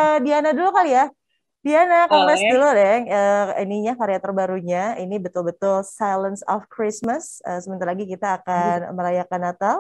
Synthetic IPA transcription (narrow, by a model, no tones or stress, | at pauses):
ədianadulukalia | dianakɔŋlɛsduludɛŋəiniɲakaɾiat̪ərbaɾuɲainibət̪ʊlbət̪ʊlsajlənsɔfkɾismasəsəmənt̪aɾlaɡikit̪aːkanməɾajakanat̪a